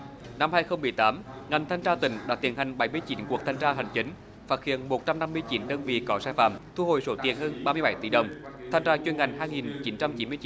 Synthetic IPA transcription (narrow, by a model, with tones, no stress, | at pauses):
na˧mhaː˧jxə˧wŋ͡mmɨ˨˩əjt̪aː˨˦mŋa˨˩jŋ̟t̪ʰa˧jŋ̟t͡ɕaː˧t̪ï˨˦ŋ̟ɗa̰ː˨˦˥t̪ḭ˧˩ənha˨˩ŋ̟ɓa˨˦jmɨ˧əjt͡ɕi˨˦nku˨˩ək̚t̪ʰa˧ŋt͡ɕaː˧ɦa˨˩jŋ̟t͡ɕï˨˦ŋ̟ | faː˨˥t̚hḭ˧˩˨ənmo˨˩t̚t͡ɕa˧mna˧mːɨ˧əjt͡ɕi˨˦nɗəː˧nvḭ˧˨kɔ˨˦saː˧jfa̰ː˧˨mt̪ʰu˧ho̰˧˨jso˨˦t̪i˨˩ənhəː˧nɓaː˧mɨ˧əɓa˨˦jt̪i˧˩˦ɗə˨˩wŋ͡mt̪ʰa˧jŋ̟zaː˧t͡ɕwe˧nŋa˨˩jŋ̟ɦaː˧jŋi˨˩nt͡ɕi˨˦nt͡ɕa˧mt͡ɕi˨˦nmɨ˧ət͡ɕ